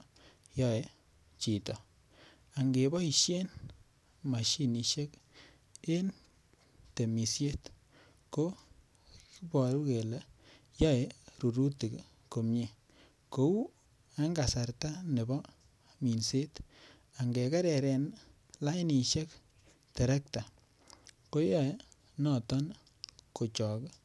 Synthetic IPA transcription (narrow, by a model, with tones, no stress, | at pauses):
jɔ˦e˨ | t͡ʃi˨tɔ˨ | a˨ŋɡe˨bɔ˦i˨ʃje˦n | ma˨ʃi˦ni˨ʃe˦k | e˦n | te˨mi˨sje˦t | ko˦ | ki˦bɔ˨ɾu˦ke˨le˦ | jɔ˦e˨ɾu˨ɾu˦ti˨k | ko˨mɲe˨ | ko˨u˦ | a˦ŋɡa˨sa˨ɾta˦ne˨bɔ˦ | mi˨nse˦t | a˨ŋɡe˨ka˦ɾɛ˨ɾɛ˨n | la˦jni˨ʃe˦k | te˨ɾɛ˦k̚ta˨ | ko˦jɔ˦˨e˦ | nɔ˨tɔ˦n | ko˨t͡ʃɔ˨k